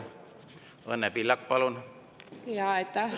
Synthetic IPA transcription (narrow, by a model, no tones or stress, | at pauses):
ɤnːepilːɑk̚pɑlun | jɑet̪ːɑ